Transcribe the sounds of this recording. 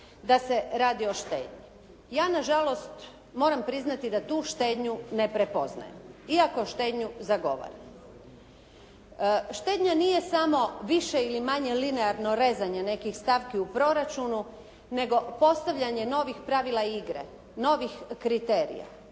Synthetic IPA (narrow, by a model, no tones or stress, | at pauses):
d̪ase̞ɾaːd̪io̞ʃt̪e̞̰ːd̪ɲi | jaːnaʒalo̞st̪ | mo̞ːɾampɾiznat̪id̪at̪uːʃt̪e̞ːd̪ɲune̞pɾe̞po̞zna̰jemiako̞ʃt̪e̞ːd̪ɲuzaɡo̞̰ʋo̰ɾim | ʃt̪e̞ːd̪ɲanije̞samo̞ʋiʃe̞ilimaɲe̞lineaɾno̞ɾe̞ːzaɲene̞kixst̪aʋkiupɾo̞ɾat͡ʃunu | ne̞ɡo̞po̞st̪aʋʎaɲe̞no̞ːʋixpɾaʋilˠaiiɡɾḛ | no̞ːʋixkɾit̪e̞ːɾḭja̰